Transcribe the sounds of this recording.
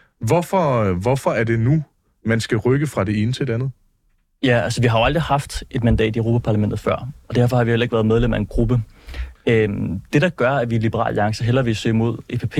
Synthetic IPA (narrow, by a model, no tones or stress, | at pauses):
ʋɒfɒʋɒfɒ̽æɐde̝nu | mænsɡ̥æʁœɡ̥əfʁɑ̈d̥e̝e̝ːnət͡sʰe̝de̝ænð̩ˠ | jæælsəʋiɦɑ̈joɑld̥ʁihɑ̈fd̥ʔe̝d̥mænd̥ɛ̰ːd̥iøʁo̝ːpʰæpʰɑ̈læmen̰d̥ð̩ˠfɶɐ̰ɒ̽d̥æɐ̰fɒ̽hɑ̈ʋihelɐeɡ̥ʋæːɐðˠmeð̞ˠlem̰æe̝nɡ̥ʁub̥ə | ød̥e̝ɾ̥ɑ̈ɡ̥ɶɐæɐʋilib̥əʁɑ̰̈ːliɑ̈ŋsəɦel̰ɐʋesø̰ːmo̝ð̞̰ˠepʰepʰe̝̰